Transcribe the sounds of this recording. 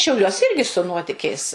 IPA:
ʃʲɛʊˈlʲuɔs ˈɪrʲɡʲɪ sʊ ˈnuɔtʲɪkʲɛɪs

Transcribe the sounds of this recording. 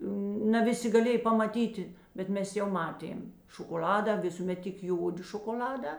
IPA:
nɐ ˈʋʲɪˌsʲɪ ɡɐˈlʲeːj pɐmɐˈtʲiːtʲɪ bʲɛt ˈmʲɛs jɛʊ ˈmɑːˌtʲeːm ʃoːkoːˈlʲɑːdɐ ˈʋʲɪsuːˌmʲɛt tʲɪk ˈjoːdʲɪ ʃoːkoːˈlʲɑːdɑː

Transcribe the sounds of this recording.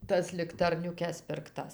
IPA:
ˈtɐs lʲɪktɐrʲnʲʊˈkʲɛs pʲɪrkˈtɐs

